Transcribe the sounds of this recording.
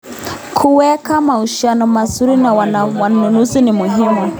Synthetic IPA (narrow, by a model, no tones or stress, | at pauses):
kʰuwɛkamauʃianɔmasuɾinawawanunuzinimuɦimu